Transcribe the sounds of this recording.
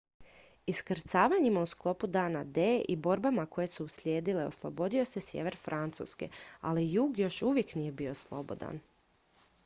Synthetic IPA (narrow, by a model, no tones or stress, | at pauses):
iskr̩t̪saːʋaɲimausklˠo̞pud̪aːnad̪eːʔibo̞ɾbamako̞je̞suːsljeːd̪ile̞o̰slˠo̞bo̞d̪io̞se̞sjeʋe̞ɾfɾʔant̪sṵːske̞̰a̰lijuːɡjo̞ʃuʋjeknije̞bio̞slˠo̞̰bo̞̰d̪a̰n